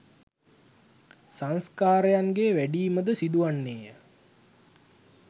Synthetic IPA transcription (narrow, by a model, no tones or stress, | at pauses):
sanskaːɾejaŋɡeʋæɖiːməd̪əsid̪uʋanːeːjə